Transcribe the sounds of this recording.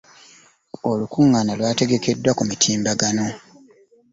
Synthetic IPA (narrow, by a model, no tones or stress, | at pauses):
olukuŋːaːnalwaːte̞ɡe̞ke̞dːwakumitʰiːmbaɡano̞